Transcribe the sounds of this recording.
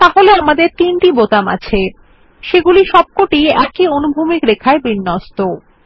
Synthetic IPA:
t̪aɦoleamad̪eɾt̪inʈibot̪ama̰t͡ɕʰe | ʃeɡuliʃɔb̚koʈiɛkionubʱumikɾekʰaebinːɔst̪o

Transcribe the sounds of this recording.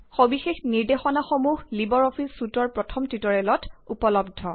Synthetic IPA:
xobixexniɹdexɔnaxomuɦlibɔɹɔpʰisːutɔɹpɹɔtʰɔmtɹitɔɹɛlɔtupɔlɔb̚dʱɔ

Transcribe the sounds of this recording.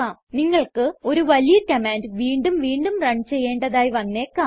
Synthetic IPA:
aːmniŋːɐɭkɨo̞ɾuʋɐlijɐkɐmaːndʋiːɳɖumʋiːɳɖumrɐɳt͡ɕe̞jːe̞ːɳɖɐðaːjʋɐnːeːkːaː

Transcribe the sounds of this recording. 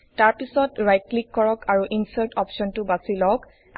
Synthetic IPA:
taɹpisɔtɹajt̚klikːɔɹɔkʰaɹuʔinsaɹtɔpʃɔntʊbasilɔk

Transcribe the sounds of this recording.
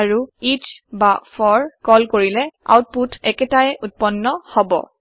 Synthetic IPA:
ɹuitʰbafʰɔɹkɔlkoɹilɛa̰wt̚putʰɛkɛtajʔut̚pɔnːɔhɔbɔ̰

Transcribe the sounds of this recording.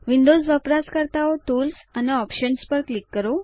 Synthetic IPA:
ʋiɳɖod͡zʋəpɾaskəɾt̪aot̪uːlsəneɔpɕənspəɾklikːəɾo

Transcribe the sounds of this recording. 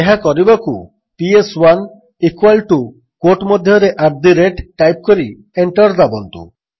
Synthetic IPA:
eɦakɔɾibaku | pieswan | ikwalʈu | koʈmɔd̪ʱjɔɾeʔab̚d̪iɾeʈʈːajp̚kɔɾi | eɳʈɔɾd̪abɔnt̪ṵ

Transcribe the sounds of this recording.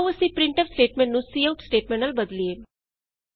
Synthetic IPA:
əsĩpɾɪ̃ɳʈəfsʈeːʈmẽɳʈnũsiːawʊʈsʈeːʈmɛ̃ɳʈəlbəd̪lieː

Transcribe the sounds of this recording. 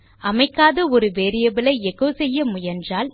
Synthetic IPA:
ɐmɐɪkːaːðɐɔɾɯʋeːɾɪjɐbɪlɐɪɛɣɐʋsɛjːɐmʊjɐndraːl

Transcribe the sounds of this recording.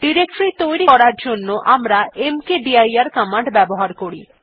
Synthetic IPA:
ɖiɾekʈɾit̪ojɾiɔɾaɾd͡ʑonːoʔamɾaemkeɖiajaɾkamaɳɖbɛboɦaɾkoɾḭ

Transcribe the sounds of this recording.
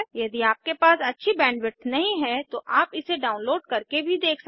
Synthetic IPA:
jɐd̪iaːp̚kepaːsɐtːʃʰibɛ̃ːnɖʋɪʈ̪nɐɦĩɦɛt̪oʔaːpɪseɖaːʊ̃nloːɖ̚kɐɾkebʱid̪eːkʰs

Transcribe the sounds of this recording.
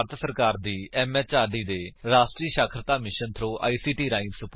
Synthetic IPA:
ɾt̪ʰsəɾkaːɾd̪iːɛːmɛːt͡ʃaːɖiːd̪eːɾaːsʈɾiːʃaːkʰɾət̪aːmɪʃənt̪ʰɾoːʔa̰ːiːsiːʈiːɾaːinsʊp

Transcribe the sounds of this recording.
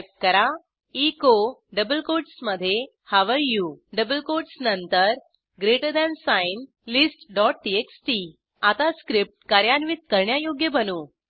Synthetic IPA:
p̚kəɾa | ikoɖəbəlkoʈsməd̪ʱːje | haʋəɭjuɖəbəlkoɖsnənt̪əɾ | ɡɾeʈəd̪ɛ̃nsain | lisʈɖɔʈ̚ʈieksʈi | at̪askɾip̚ʈ̚kaɾjanʋit̪̚kəɾɳjajoɡjəbənuː

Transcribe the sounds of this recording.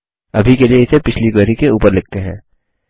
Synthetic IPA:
ɐbʱikelieɪsepɪt͡ʃʰliɡəɾikeuːpəɾlɪɡ̚t̪eɦɛ̃ː

